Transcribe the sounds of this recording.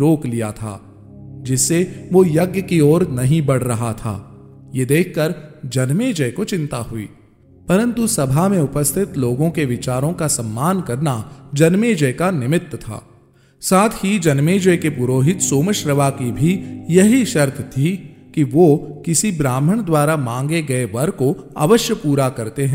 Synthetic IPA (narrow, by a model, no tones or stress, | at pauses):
ɾoːklija̰t̪ʰa̰ː | d͡ʒɪsːeʋojɐɡjəkiɔːɾnɐɦĩbɐɽ̤ɾɐɦat̪ʰa̰ː | jed̪eːkʰkɐɾd͡ʒɐnmeːd͡ʒəkot͡ʃɪ̃nt̪aɦʊḭː | pɐɾə̃nt̪usɐbʱamẽʊpəst̪ʰɪt̪loːɡõkeʋɪt͡ʃaːɾõkasɐmːaːnkɐɾnad͡ʒɐnmeːd͡ʒəjkanɪmɪt̪ːt̪ʰa̰ː | saːt̪ʰhid͡ʒɐnmeːd͡ʒəkepʊɾoːɦɪt̪soːməʃɾəʋakibʱijɐɦiʃɐɾt̪ʰt̪ʰikiʋoːkɪsibɾaːm̤əɽ̃d̪waːɾamãːŋɡeɡɐeʋɐɾkoa̰ːʋəʃjəpuːɾakɐɾt̪eɦɛ̃